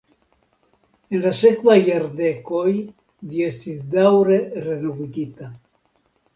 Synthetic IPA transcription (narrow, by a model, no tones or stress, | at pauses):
enlase̞kvajːaɾde̞ko̞j | ʎie̞stisdawɾe̞ɾe̞noviɡita